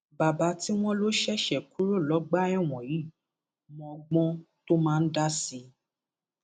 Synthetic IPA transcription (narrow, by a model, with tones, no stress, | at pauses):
ba˨ba˧˦ti˦w̃ɔ̃˦lo˦ʃɛ˦˨ʃɛ˨ku˦ɾo˦˨lɔ˨˦ɡ͡ba˦ɛ˦˨w̃ɔ̃˨ji˨˦˨ | mɔ̃˧ɡ͡bɔ̃˦ | to˦mãː˦˧n̩˦da˦si˧